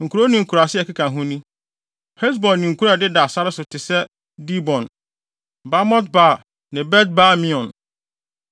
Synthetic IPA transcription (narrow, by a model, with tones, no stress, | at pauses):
ŋ̩˨kʰu˨ɾo˦nĩ˨ŋ̩˨kʰu˨ɾa˨sɪ˦ɛ˨kɪ˦kʰã˨ɦʊ̃˦nĩ˦ | hɛ˦s̬bɔ̃˨nːĩ˨ŋ̩˨kʰu˦ɾa˨dɪ˦da˨sa˦ɾɪ˦sʊ˨tʰɪ˨sɛ˦ | di˦bɔ̃˨n | ba˦mɔ̃˦t̚baː˦˨ | nɪ̃˨bɛ˦t̚ba˦mĩ˦ɔ̃˨n